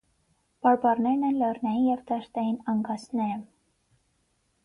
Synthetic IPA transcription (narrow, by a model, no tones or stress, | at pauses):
b̥ɑɾbɑrnɛɾnɛnlɛrnɑjinjɛvd̪ɑʃt̪ɑjinɑŋɡɑsnɛɾə